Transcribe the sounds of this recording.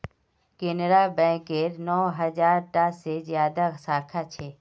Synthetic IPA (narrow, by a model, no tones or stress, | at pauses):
kenɾabɛ̃ːkeɾnɔːɦəd͡ʒaːɾʈasezjaːd̪asaːkʰat͡ʃʰeː